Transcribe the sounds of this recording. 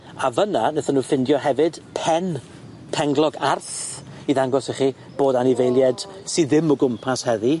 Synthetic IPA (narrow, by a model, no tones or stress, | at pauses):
avənanəθanuːfɪndjɔɦɛvɨd̥pʰɛn | pʰɛŋɡlˠɔɡarθiðaŋɡɔsɛχi | b̥oːdanɪvejlˠjɛd̥ | siðɪmɔɡʊmpʰashəði